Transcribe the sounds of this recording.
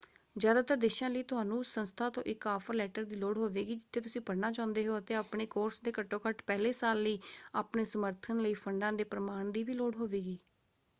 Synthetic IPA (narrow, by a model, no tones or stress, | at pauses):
zjaːd̪aːt̪əɾd̪eːʃãːləiːt̪ʊɦaːnũːsənst̪ʰaːt̪õ̰ːʔɪkaːpʰəɾlɛːʈəɾd̪iːloːɽɦoːʋeːɡiːd͡ʒɪt̪ʰːeːt̪ʊsĩːpəɽnaːt͡ʃãːʊnd̪eːɦoːət̪eːaːpɳeːkoːɾsd̪eːkəʈːõːkəʈpɛːleːsaːlːəiːaːpɳeːsəməɾt̪ʰənləiːpʰəɳɖãːd̪eːpɾəmaːɳd̪iːʋiːloːɽɦoːʋeːɡiː